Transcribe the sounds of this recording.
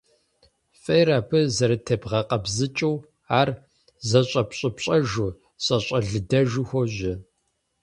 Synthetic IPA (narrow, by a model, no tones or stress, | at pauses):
fʼɐjɾaːpʰɨzɐɾɨtʰɐbʁɐqɐbzɨt͡ʃʼɨw | aːr | zɐɕʼɐpɕʼɐpɕʼɐʒu | ɕʼɐɕʼɐɮɨdɐʒʊxʷɔʑɪ